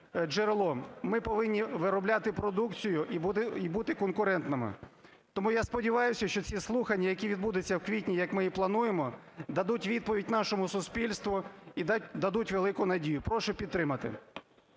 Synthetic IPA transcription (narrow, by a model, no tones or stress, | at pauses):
d͡ʒeɾelˠɔmɪpɔʋɪnʲːiʋɪɾɔblʲat̪ɪpɾɔd̪ukt͡sʲijʊʔiibut̪ɪkɔnkʊɾɛnt̪nɪmɪ̰ | t̪ɔmujaspɔdʲiʋɑjʊsʲɐʃt͡ʃɔt͡sʲislˠuxɐnʲːɐjɐkʲiʋʲid̪bud̪ɪt͡sʲːɐwkʋʲitʲnʲijɐkmɪjiplˠɐnujemɔ | d̪ɐd̪utʲʋʲid̪̚pɔʋʲid̚ʲnɑʃɔmʊsʊspʲilʲst̪ʋʊid̪ʲd̪ɐd̪utʲʋelˠɪkʊnɐdʲijʊpɾɔʃʊpʲid̪t̪ːɾɪmɐt̪ɪ̰